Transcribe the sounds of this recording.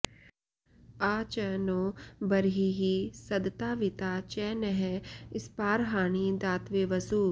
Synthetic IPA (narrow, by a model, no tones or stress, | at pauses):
aːt͡ʃənoːbɐɾɦiɦisɐd̪t̪aːʋɪt̪aːt͡ʃɛːnɛɦɛɪspaːɾɦaːñid̪aːt̪ʋeːʋɐsuː